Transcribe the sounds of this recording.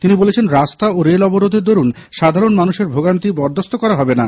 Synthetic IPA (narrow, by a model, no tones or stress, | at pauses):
t̪inibolet͡ɕʰenɾast̪aoɾelɔboɾod̪ʱed̪oɾun | ʃad̪ʱaɾonmanuʃeɾbʱoɡant̪ibɔɾd̪ʱost̪okɔɾaɦɔbena